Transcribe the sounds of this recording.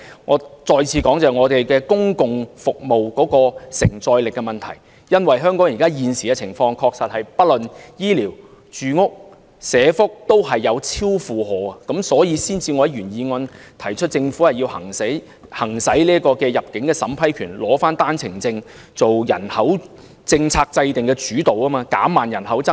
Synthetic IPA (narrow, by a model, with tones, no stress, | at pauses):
ŋɔː˨˧t͡ʃɔː˧jt͡sʰiː˨˧kɔː˨˥ŋt͡sɛː˨ŋɔː˨˧t̪e˨jkɛː˧kʊ˥ŋkʊ˨ŋfʊ˨k̚mo˨wkɔː˨˥kɔː˧sɪ˨˩ŋt͡sɔː˧jlɪ˨kːɛ˧mɐ˨nt̪ʰɐ̰˨˩j | jɐ˥nwɐ˨jɦœː˥ŋkɔː˨˥ŋjiː˨kaː˥jiː˨˧nsiː˨˩kɛ˧t͡sʰɪ˨˩ŋfɔː˧ŋkʰɔː˧k̚sɐ˨t̚hɐ˨˩jpɐ˥t̚lɵ˨njiː˥liː˨˩w | t͡ʃyː˨ŋʊ˥k̚ | sɛː˨˧fʊ˥k̚t̪o˥wɦɐ˨jːɐ˨˧wt͡sʰiː˥wfuː˨ɦɔː˨˧ɐ˧kɐ˨˥msɔː˨˥jiː˨˧siː˥nt͡siː˧ŋɔː˨˧jɐ˦˥ɥyː˨˩njiː˨˧ŋɔː˧nt̪ʰɐ˨˩jt͡ʃʰɵ˥t̚t͡sɪ˧ŋfu˨˥hɐ˨jiː˧whɐ˨˩ŋse˨˥j | hɐ˨˩ŋsɐ˨˥jliː˥kɔː˧kɛː˧jɐ˨p̚kɪ˨˥ŋkɛː˧sɐ˨˥mpʰɐ˥jkʰyː˨˩nlɔː˨˥faː˥nt̪aː˥nt͡sʰɪ˨˩ŋt͡sɪ˧ŋ | t͡so˨wjɐ̰˨˩nhɐ˨˥w | t͡sɪ˧ŋt͡sʰaː˧k̚t͡sɐ˧jt̪ɪ˨˩ŋkɛ˧t͡ʃyː˨˥t̪o˨wɐː˥maː˧kaː˨˥maː˨njɐ˨˩nɦɐ˨˥wt͡sɐ˥